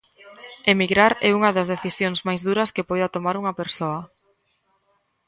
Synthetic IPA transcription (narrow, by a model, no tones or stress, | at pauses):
emiɣɾaɾɛ̰uŋɐðɐzðeθisjoŋzmajzðuɾɐskepojðɐt̪omaɾuŋɐpeɾsoɐ